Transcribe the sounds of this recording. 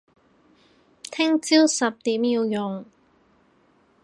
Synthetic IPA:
t̪ʰɪ˥ŋt͡si˥wsɐ˨p̚t̪iː˨˥mjiː˧wjʊ˨ŋ

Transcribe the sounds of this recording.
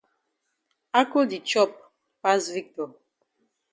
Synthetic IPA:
a˦ko˦di˨t͡ʃɔ˦˨p̚ | pa˦svi˦k̚tɔ˨

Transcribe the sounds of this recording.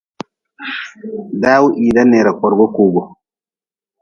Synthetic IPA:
daː˦wu˦ʔiː˨da˦ne˨ɾa˨kʷɔ˨ɾɡɔ˦kuː˨ɡɔ˨

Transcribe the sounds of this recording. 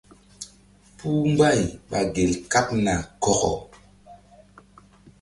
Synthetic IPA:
puː˦m˦ba˦˨jɓa˨ɡe˨lka˦p̚na˨kɔ˨kɔ̰˨

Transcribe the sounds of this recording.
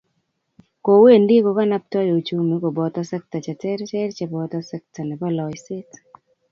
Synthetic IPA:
ko˨we˦˨ndi˦ko˨ka˦na˦p̚tɔ˦jo˨t͡ʃu˦mi˦ko˨bɔ˨t̪ɔ˦sɛ˦k̚ta˨t͡ʃa˨tɛ˦ɾt͡ʃɛ˦ɾt͡ʃɛ˨bɔ˨t̪ɔ˦sɛ˦k̚ta˨nɛ˨bɔ˦lɔ˨jsɪ˦t

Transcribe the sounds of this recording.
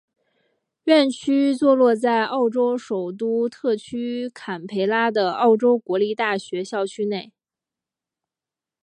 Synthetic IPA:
ɥɛ˥˩nt͡ɕʰy˥t͡swɔ˥˧lwɔ˥˧t͡sa˥˧ɪʔɑ˥˩ʊʈ͡ʂo˥ʊʂo˨˩ʊt̪u˥t̪ʰɤ˥˩t͡ɕʰy˥kʰa˨˩npʰe˧˥ɪla˥d̪ə˨ɑ˥˩ʊʈ͡ʂo˥ʊkwɔ˧˥li˥˧t̪a˥˩ɕɥɛ˧˥ɕjɑ˥˩ʊt͡ɕʰy˥ne˥˩ɪ

